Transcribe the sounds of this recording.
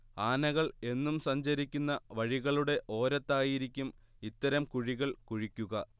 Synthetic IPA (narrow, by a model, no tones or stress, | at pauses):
aːnɐɣɐɭe̞nːumsɐɲd͡ʑɐɾikʲːunːɐʋɐɻiɣɐɭuɽe̞ʔo̞ːɾɐt̪ːaːjiɾikʲːum | it̪ːɐɾɐmkuɻiɣɐɭkuɻikʲːuɣɐ